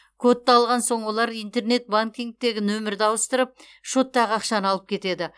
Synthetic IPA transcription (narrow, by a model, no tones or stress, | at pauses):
kʰot̪ːɑlˠʁɑnso̞ɴwo̞lˠɑɾijnt̪e̞ɾne̞t̪̚baŋkʲiŋk̚t̪e̞ɡʲɪnɵmɪɾd̪ɑwəst̪əɾəp̚ | ʃot̪ːɑʁɑqʃɑnəɑlˠəp̚kʲʰe̞t̪e̞d̪ɪ